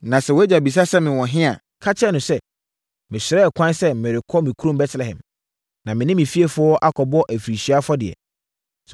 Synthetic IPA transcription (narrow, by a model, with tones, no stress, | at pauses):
nã˨sɛ˨wɔ˨˦æ˦d͡ʑa˨bi˨s̬a˦sɛ˦mɪ̃˨wɔ̃˨ɦɪ̃˦a̰˨ | kʰa˦t͡ɕʰɛ˦nʊ̃˨sɛ˦ | mɪ̃˨sɪ˨ɾɛ˦˨kʰʷã˦nsɛ˦mɪ̃˨ɾɪ˨kʰɔ˦mɪ̃˨kʰu˦ɾõ˦m˦bɛ˦tʰlɛ˨hɛ̰̃˨m | nã˨mɪ̃˨nɪ̃˦mɪ̃˨fi˦e˦fʊ˦ɔ˦ʔa˦kʰɔ˨bɔ˦ʔæ˨fi˨ɾi˨ɕi˨˦a˦fɔ˦dɪ˨ɛ̰˨